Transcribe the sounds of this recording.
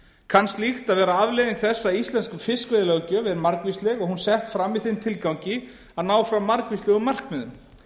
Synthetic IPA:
kʰanst̪lixt̪aðvɛːɾaavlɪðiŋkθɛsːaist̪ɛnskʏfɪskvɪðɪlœɣcœvɪðɾmaɾkvist̪lɛɣɔɣhunsɛht̪fɾamːɪðθɪnt̪ʰɪlkawɲcɪ | aðnaːwfɾamaɾkvist̪lɛɣʏmar̥kmɛðʏm

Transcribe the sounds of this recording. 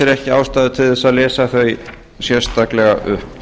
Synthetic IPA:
ɛɾɛhcɪaːwst̪aːðʏt̪ʰɪlðɛsːaðlɛːsaθœj | sjɛɾ̥st̪aklɛɣa̰ʔʏhp

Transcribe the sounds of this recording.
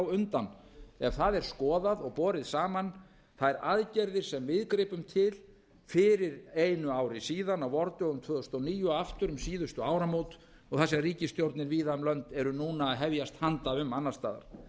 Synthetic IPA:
wʏnt̪anɛɾ̥θaðɛɾ̥skɔːðaðɔɣpɔːɾɪðsaːman | θaðɛɾaðcɛɾðɪɾ̥sɛmvɪðkɾɪːpʏmt̪ʰɪl | fɪɾɪɾejnʏaːwɾɪsiːðanawvɔɾt̪ʏɔɣʏmt̪ʰvœːðʏst̪ɔniːjʏaft̪ʏɾʏmsiːðʏst̪ʏaːwɾamoːwt̪ | ɔɣθasɛmriːcɪst̪jowɾt̪nɪɾviːðaʏmlœnt̪ɛɾʏnuːnaːðɦɛvjast̪hant̪aʏmanːast̪aːða̰ɾ̥

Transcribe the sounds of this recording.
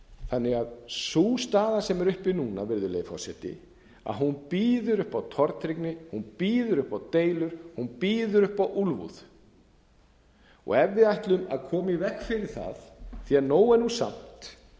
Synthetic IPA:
θanːɪɣaðsuːst̪aːðasɛmɛɾʏhpɪnuːnavɪɾðʏlḛjɪfɔ̰sɛt̪ɪ̰ | a̰ðɦunpiːðʏɾʏhpawt̪ʰɔɾt̪ɾiknɪhunpiːðʏɾʏhpawt̪eːjlʏɾ̥hunpiːðʏɾʏhpawʔulvṵð̥ | ɔ̰ɣɛvːɪðajht̪lʏma̰ðkʰɔːmivɛhkfɪɾɪɾ̥θa̰ðθianoːwɛnːusa̰m̥t̪

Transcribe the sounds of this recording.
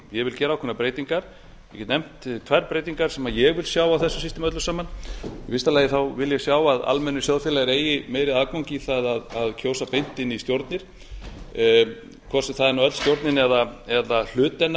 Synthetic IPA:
jɛɣvɪlcɛːɾawkʰɛnapɾeːjt̪iŋkaɾ̥ | jɛcɛt̪nɛm̥t̪t̪ʰvɛɾpɾeːjt̪iŋkaɾ̥sɛmajɛɣvɪlsjaːwawθɛsːʏ̥sist̪ɪmœt̪lʏsaːmanvɪst̪alɛːjɪθawvɪljɛsjaːwaða̰lmɛnːʏsjoːwðfɪlaɣɪɾeːjɪmeːjɾɪðaðkawɲciθaðaðaðcʰoːwsapejn̥t̪ɪnist̪jowɾt̪nɪɾ̥ | kʰɔr̥sɪθaðɛɾnaœt̪lst̪jowɾt̪nɪnɛðaɛðal̥ʏːt̪ːɛnːa

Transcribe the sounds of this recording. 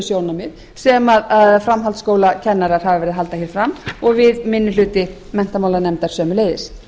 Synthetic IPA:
sjoːwnamɪð | sɛmaðaðfɾamɦalt̪skoːwlacʰɛnːaɾaɾ̥havɪvɛɾɪðɦal̪t̪açɛɾfɾamɔɣvɪðmɪnːʏlʏːt̪ɪ | mɛn̥t̪amaːwlanɛmt̪aɾ̥sœːmʏleːjðɪ̰s

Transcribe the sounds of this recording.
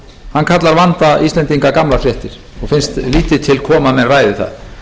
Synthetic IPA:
hankʰat̪laɾvant̪aist̪lɛnt̪iŋkakamlafɾjɛht̪ɪɾ̥ | ɔɣfɪnst̪liːt̪ɪt̪ʰɪlkʰɔːmamɛnraːjðɪθa̰ð

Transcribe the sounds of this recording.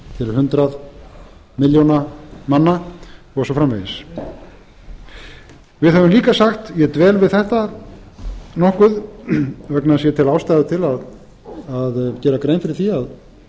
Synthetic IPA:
t̪ʰɪlhʏnt̪ɾað | mɪljownamanːa | ɔɣsɔfɾamvɛ̰jðɪs | vɪðɦɛvʏmliːkasaxt̪jɛt̪vɛːlvɪðθɛht̪a | nɔhkʏð | vɛknaðs̬jɛt̪ʰɪlawst̪ajðʏt̪ʰɪlað | aðcɛːɾakɾejnfɪɾɪɾθiað

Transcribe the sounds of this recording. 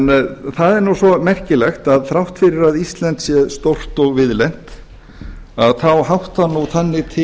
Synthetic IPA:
nθaðɛɾnuwsɔmɛr̥cɪlɛxt̪aðθɾawht̪fɪɾɪɾaðist̪lɛnt̪sjɛst̪owr̥t̪ɔɣvɪðlɛn̥t̪ | aðθawɦawht̪anːuθanːɪt̪ʰɪ

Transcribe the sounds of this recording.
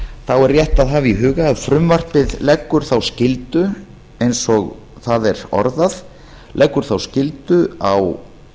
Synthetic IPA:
θawɛɾːjɛht̪aðɦaːviɦʏːɣaːðfɾʏmvar̥pɪðlɛkːʏɾ̥θawscɪlt̪ʏ | ejnsɔɣ | θaðɛɾɔ̰ɾðað | lʔɛkːʏɾ̥θawscɪlt̪ʏaw

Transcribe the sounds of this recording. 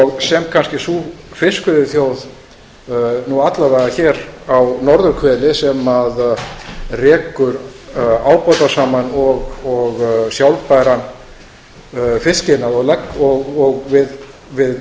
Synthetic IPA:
ɔɣsɛmkʰanscɪsufɪskʏðɪɾθjoːwð | nuat̪lavajðaçɛːɾawnɔɾðʏɾkʰvɛːlɪsɛmað | rɛːkʏɾaːwpɔt̪asaːmanɔɣɔɣsjawlpajɾan | fɪscɪnaðɔɣlɛkːɔɣɔɣvɪð | vɪð

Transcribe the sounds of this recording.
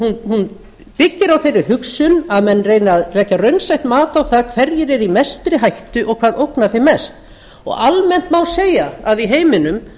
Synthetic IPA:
hunhun | pɪcːɪɾawθejrɪhʏksʏnaðmɛnːreːjnːðrɛːcːarœɥnsajht̪maːt̪awθaðkʰvɛɾjɪɾɛɾimɛst̪ɾɪɦajht̪ʏʔɔɣkʰvaːðowknaθejmɛst̪ | ɔ̰ɣalmɛn̥t̪mawseːjaaðiɦeːjmɪnʏm

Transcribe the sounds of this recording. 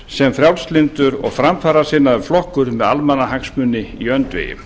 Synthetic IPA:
sɛmfɾjawlst̪lɪnt̪ʏɾɔ̰ɣfɾamfaːɾḁsɪːnaʏɾ̥flɔhkʏɾmɛðalmanːaɦaksmʏnːɪiœnt̪vɪ̰ːjɪ̰

